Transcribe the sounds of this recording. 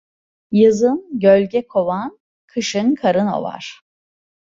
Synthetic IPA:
jɯzɯnɟølʲɟɛkʰo̞van | kʰɯʃɯnkʰaɾɯno̞̰va̰ɾ̥

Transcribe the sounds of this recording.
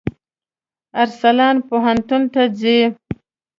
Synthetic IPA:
aɾsalɑːnpoɦant̪unt̪ad͡zi

